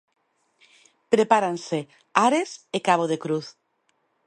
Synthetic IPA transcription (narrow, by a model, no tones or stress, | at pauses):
pɾepaɾanse | aɾesekaβ̞oðekɾuθ